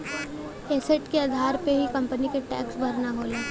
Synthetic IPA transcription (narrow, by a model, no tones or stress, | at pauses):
eːseʈkeɐd̪ʱaːɾpeɦikɐ̃mpənikeʈɛːksbʱɐɾnaɦoːleː